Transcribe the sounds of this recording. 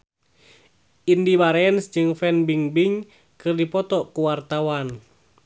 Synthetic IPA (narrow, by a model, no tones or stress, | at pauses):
indibaɾɛnsd͡ʒɨŋfɛnbiŋbiŋ | kɨrdipɔt̪ɔkuwart̪awan